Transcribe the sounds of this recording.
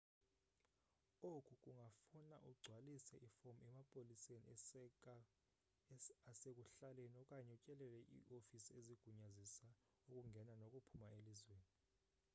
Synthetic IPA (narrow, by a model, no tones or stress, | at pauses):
okʼukʼuŋʱafunaʔuɡ͡ǀʱwalisɛʔifomɛmapʼolisenḭ | asek̬ʼuɬalenɔkʼaɲɛut͡ʃʼɛlɛlɛʔḭʔofisieziɡ̥ʱuɲazisa | ukʼuŋɡʱɛnanokʼupʰumaelizweːni